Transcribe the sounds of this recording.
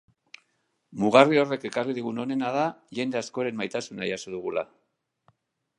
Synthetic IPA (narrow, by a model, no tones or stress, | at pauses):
muɣario̞re̞ke̞karið̞iɣ̞uno̞ne̞nað̞aʝe̞nd̪e̞asko̞eɾe̞majt̪asunajasuðuɣ̞ula